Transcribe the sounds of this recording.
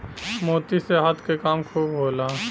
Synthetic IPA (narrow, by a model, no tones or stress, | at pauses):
moːt̪iseɦat̪ʰkekaːmkʰuːbɦoːlaː